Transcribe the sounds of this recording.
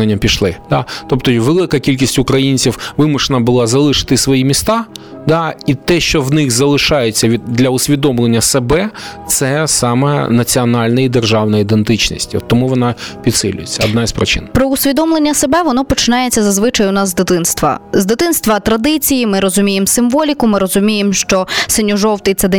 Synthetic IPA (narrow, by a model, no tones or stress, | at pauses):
enʲːɐmpʲiʃlˠɪd̪̥ɑt̪ɔp̚t̪ɔjʋelˠɪkɐkʲilʲkʲisʲtʲʊkɾɐjinʲt͡sʲiwʋɪmʊʃenɐbʊlˠɑzɐlˠɪʃɪ̥t̪ɪsʋɔjimʲist̪ɑ | d̪ɑit̪ɛʃt͡ʃɔʋnɪxzɐlˠɪʃɑjet͡sʲːɐʋʲid̪d̪lʲɐʊsʲʋʲid̪ɔmlˠenʲːɐsebɛt̪sɛsɑmɛ̰nɐt͡sʲiɔnɑlʲnɐid̪erʒɑwnɐid̪ent̪ɪt͡ʃnḭsʲtʲiɔ̰t̪ːɔmuʋɔnɑpʲid̪sɪ̰lʲʊ̰jet͡sʲːɐɔd̪naispɾɪt͡ʃɪ̰npɾɔʊsʲʋʲid̪ɔmlˠenʲːɐsebɛʋɔnɔpɔt͡ʃɪnɑjet͡sʲːɐzɐzʋɪt͡ʃɐjʊnɑzzd̪ɪt̪ɪnst̪ʋɐ̰zd̪ɪt̪ɪnst̪ʋɐt̪ɾɐd̪ɪt͡sʲijimɪɾɔzʊmʲijemsɪmʋɔlʲikʊmɪɾɔzʊmʲijemʃt͡ʃɔsenʲɔʒɔwt̪ɪt̪sɛd̪ɛ